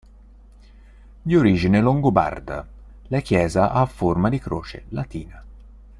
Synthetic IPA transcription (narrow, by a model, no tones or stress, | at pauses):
ʎioɾiːd͡ʒineloŋɡoba̰rd̪a̰ | lakjɛːzaʔafːormad̪ikɾoːt͡ʃḛlat̪iːna